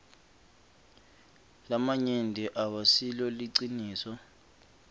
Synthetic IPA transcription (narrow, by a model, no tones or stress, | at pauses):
lamaɲendʱiʔawasilɔliǀiniːsɔ